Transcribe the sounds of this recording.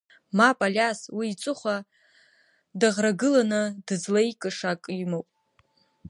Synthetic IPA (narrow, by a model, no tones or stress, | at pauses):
mapʼalʲaswiːt͡sʷʼɨχʷa | daʁraɡɨlanɨdɨzlajkʼɨʂakʼimowpʼ